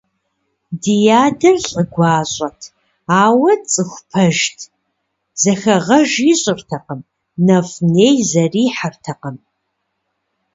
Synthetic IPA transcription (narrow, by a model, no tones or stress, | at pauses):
dijaːdɐrɬʼəɡʷɑːɕʼɐtʰ | aːwɐt͡sʼɨxʷpʰɐʒtʰ | z̥ɐxɐʁɐʒiɕʼɪrtʰɐqəm | nɐfneːjzɐriːħartʰɐqəm